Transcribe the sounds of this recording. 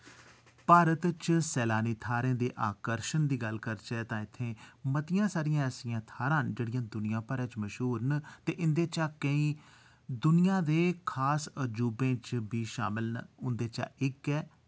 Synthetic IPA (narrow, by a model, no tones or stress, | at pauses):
paːɾət̪t͡ʃsɛːlaːniːt̪ʰaːɾẽːd̪eːʔaːkəɾʃənd̪iːɡəlkəɾt͡ʃɛːt̪ãːɪt̪ʰːẽːmət̪ɪjãːsaːɾɪjãːəsɪjãːt̪ʰaːɾãːnd͡ʒeːɽɪjãːd̪ʊnɪjãːpəɾɛ̃ːt͡ʃməʃɦuːɾnət̪eːʔɪnd̪eːt͡ʃaːkəĩː | d̪ʊnɪjãːd̪eːkʰaːsəd͡ʒuːbẽːt͡ʃbiːʃa̰ːmɪlnʊnd̪eːt͡ʃa̰ːʔɪkɛː